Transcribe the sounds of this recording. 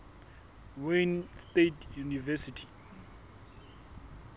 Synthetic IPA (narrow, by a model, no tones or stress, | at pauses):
wenstetjunivɛsitʰi̥